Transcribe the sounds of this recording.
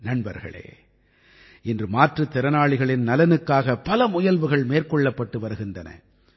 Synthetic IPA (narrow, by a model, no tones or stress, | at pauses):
nɐɳbɐɾɣɐ̰ɭḛː | ɪndrɯmaːʈrɯt̪ːɛɾɐnaːɭɪɣɐɭɪnnɐlɐnɯkːaːɣɐpɐlɐmʊjɐlʋɯɣɐɭmeːrkɔɭːɐpːɐʈːɯʋɐɾɯɣɪndɐnɐ̰